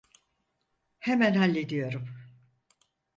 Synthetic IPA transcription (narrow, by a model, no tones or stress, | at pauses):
hemænhalʲːed̪ijo̞ɾum